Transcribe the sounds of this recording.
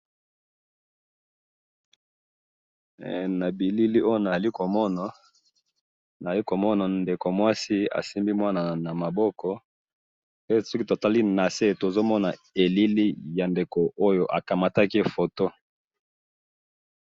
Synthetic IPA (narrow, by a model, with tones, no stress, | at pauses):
na˨bi˨li˦li˦o˦jo˦na˨li˦ko˨mɔ˦na˨ | na˨li˦ko˨mɔ˦na˨nde˨ko˨mwa˦si˦a̰˨si˦mbi˦mwa˦na˨na˨ma˨bɔ˦kɔ˦ | pe˦sɔ˦ki˦tta˦li˦na˨se˦˨to˨zo˦mɔ˦na˨ | e˨li˦li˦ja˨nde˨ko˨ʔo˦jo˨ʔa˨ka˨ma˦ta˦ki˦fo˨to˦